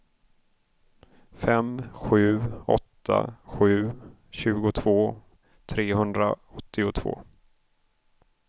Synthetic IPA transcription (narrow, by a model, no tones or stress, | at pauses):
fɛmɧʉ̟ːɔ̰t̪ʰːa̰ɧʉ̟ː | ɕʉ̟ːɡʊt̪ʰv̥oː | t̪ʰɾeːhɵnd̪ɾaɔt̪ʰːɪʊt̪ʰvo̰ː